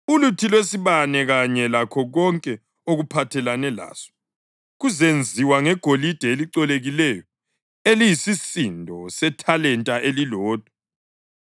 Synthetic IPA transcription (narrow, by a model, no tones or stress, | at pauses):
ulutʰilwesiβanɛɣaɲɛlakʰɔɣɔŋkʼɛ | oɣupʰatʰɛlanɛla̰ːsɔ̥ | ɣuzend͡zʱiwaŋɛɡ̥ʱolid̥ʱɛeliǀɔleɣilɛjɔ | elijisisindʱɔsɛtʰalɛntʼaʔelilɔːd̥ʱɔ̥